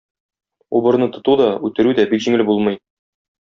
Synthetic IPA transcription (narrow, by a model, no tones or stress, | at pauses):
ṵbɤ̆ɾnɤt̪ŏt̪ud̪ɒʉt̪ɘ̆ɾʉd̪æbikʑiŋɘlbulˠmɤ̆j